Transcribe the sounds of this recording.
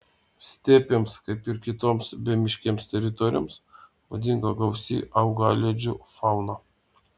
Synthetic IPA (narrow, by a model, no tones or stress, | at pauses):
sʲt̪ʲæːpʲemskɐɪpɪɾkʲɪt̪oːmsbʲɛmʲɪʃʲkʲeːmst̪ʲɛɾʲɪt̪ɔɾʲɪjo̰ːmsʋod̪ʲɪŋɡɐɡɐʊsʲḭːʔɐʊɡɑ̰ːlʲed͡ʒʲʊfɑʊnɑ